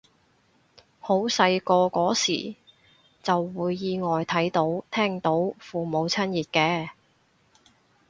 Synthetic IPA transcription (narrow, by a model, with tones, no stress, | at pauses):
ho˨˥wsɐ˧jkɔː˧kɔː˨˥sḭː˨˩ | t͡sɐ˨wːuː˨˧jːiː˧ŋɔː˨jt̪ʰɐ˨˥jt̪o˨˥wt̪ʰɛː˥ŋt̪o˨˥wfuː˨mo˨˧wt͡sʰɐ˥njiː˨t̚kɛː˧